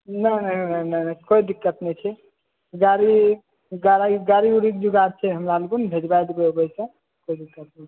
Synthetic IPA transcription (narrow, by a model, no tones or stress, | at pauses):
nənənəjnənəkoid̪ikːət̪nət͡ʃʰɛ | ɡaɾi | ɡaɾɡaɾiuɾik̚d͡ʒuɡat͡ʃʰɛɦəmɾalɡunbʱed͡ʒbajd̪bɛobəjsə̃ | koid̪ikːət̪̚nət͡ʃʰɛ̥